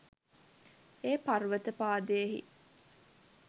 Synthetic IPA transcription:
eːparʋət̪əpaːd̪ejeɦḭ

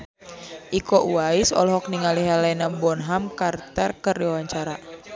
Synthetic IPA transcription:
ʔikɔʔuaisɔ̰lɔɦɔk̚niŋaliɦalɛnabɔnɦamkart̪ərkəriawaɲt͡ʃaɾa

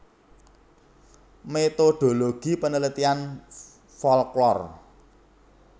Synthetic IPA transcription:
met̪oɖ̪̥o̤loɡ̥i̤pənələt̪ian | fɔlklɔr

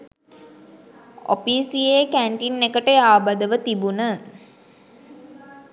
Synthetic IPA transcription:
o̰piːsijekæɳʈinːekəʈəjaːbəd̪əʋət̪ibunə

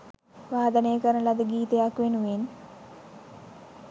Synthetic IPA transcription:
ʋaːd̪ɐnejkɐɾɐlɐd̪ɨɡiːt̪ɐjakʋenuʋen

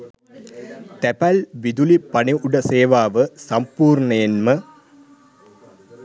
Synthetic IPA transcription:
t̪ɐpɐlʋid̪ulipɐɳiuɽɐseːʋaːʋɨsɐmpuːɾɳɐɐnmɨ

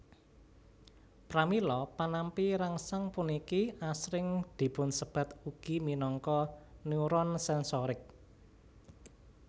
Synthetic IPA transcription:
pɾamilɔpanampiɾaŋsaŋpunikiasɾɪŋd̪̥i̤pʊnsəb̥ä̤t̪uɡ̥iminɔŋkɔnjuɾɔnsɛnsɔɾɪk̚

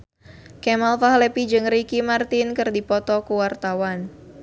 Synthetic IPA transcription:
kɛmalfahlɛpid͡ʒɨŋɾikimart̪inkɨrdipɔt̪ɔkuwart̪awan

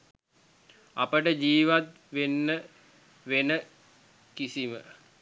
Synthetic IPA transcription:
apəʈəd͡ʒiːʋat̪ | ʋenːə | ʋenə | kisimə̰

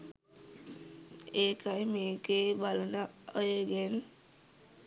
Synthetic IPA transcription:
eːkajmeːkebalənaəjoɡen

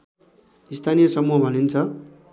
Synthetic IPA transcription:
ist̪ʰanijʌsʌmuɦbʱʌnint͡sʰʌ

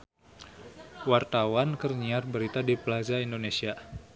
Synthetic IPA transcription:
wart̪awankərɲiarbəɾit̪adiplazaindonesia

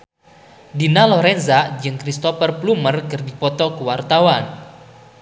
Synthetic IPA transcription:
dinalɔɾɛnzad͡ʒɨŋkɾist̪ɔfərplumərkɨrdipɔt̪ɔkəwart̪awan

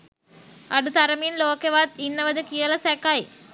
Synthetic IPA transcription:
ɐɽut̪ɐɾɐmiːnloːkeʋaːd̪̚inːɐʋɐd̪ɨkijɐlɐsekːaːj

